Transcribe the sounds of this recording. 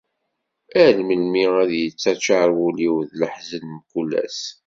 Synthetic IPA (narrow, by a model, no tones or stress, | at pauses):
ælməlmiæðjət͡sːæt͡ʃːaɾˤwuliwðləħzənmkulæ̰s